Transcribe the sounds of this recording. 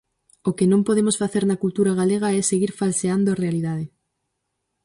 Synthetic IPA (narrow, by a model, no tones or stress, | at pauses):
ʊkɪnõmpoðemosfaθeɾnɐkult̪uɾaɣ̞aleɣ̞ɐɛseɣiɾfalseand̪oarealiðaðɪ